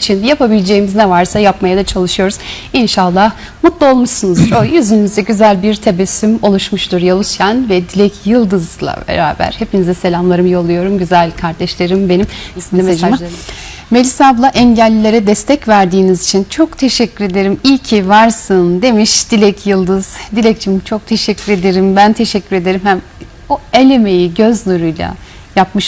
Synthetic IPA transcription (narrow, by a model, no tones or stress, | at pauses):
t͡ʃʰinjapʰabilʲd͡ʒe̞jːimiznɛvaɾsajapmajad̪at͡ʃʰalˠɯʃɯjo̞ɾuz̥inʃalˠːah | mut̪lˠuo̞lˠmuʃsunuzɾojyzynnyzd̪ɛɟyzælʲbiɾt̪ʰebɛsːymolˠuʃmuʃt̪uɾjalˠusjanvɛd̪ilʲɛcʰjɯlˠd̪ɯzlˠa̰bḛɾa̰ːbæ̰ɾ̥he̞pʰinizɛse̞lʲamlˠaɾɯmɯjolˠujo̞ɾumɟyzælʲkʰaɾd̪ɛʃlʲeɾimbe̞nimnʲimeamˠ | melʲisablˠaʔɛɲɟælʲːiːe̞ɾɛd̪ɛst̪ʰɛcvæɾd̪iːnizit͡ʃʰint͡ʃʰo̞kt̪ʰe̞ʃɛcʰːyɾe̞d̪e̞ɾimilʲcʰivaɾsɯnd̪e̞miʃd̪ilʲɛcʰjɯlˠd̪ɯz̥d̪ilʲɛc̚t͡ʃʰimt͡ʃʰo̞k̚t̪ʰe̞ʃɛcʰːyɾe̞d̪e̞ɾimbænt̪ʰe̞ʃɛcːyɾe̞d̪e̞ɾimhæm | oe̞lʲe̞me̞jiɟø̞znuɾujlʲˠa̰ | jap̚mɯʃ